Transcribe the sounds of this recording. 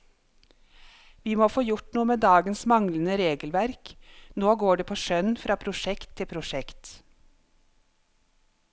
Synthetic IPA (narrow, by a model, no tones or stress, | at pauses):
ʋiːmoːfoːjʊʈnuːəmeːd̪ɑːɡənsmɑŋlənəɾeːɡəlʋæɾknoːɡoːɖeːpʰoːʃœnfɾɑːpʰɾʊʃɛkt̪ʰːɪpʰɾʊʃɛkt̪